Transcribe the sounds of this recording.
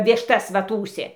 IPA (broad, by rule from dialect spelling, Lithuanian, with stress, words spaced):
ˈʋʲɪʃtɐs ˈʋɐ ˈtuːsʲeː